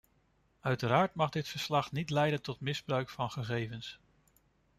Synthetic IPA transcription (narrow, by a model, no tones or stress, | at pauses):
œɥtəɾaːɹtmɑχdɪtfəɹslɑχnitlɛjdəntɔtmɪzbrœɥkfɑnχəχejvəns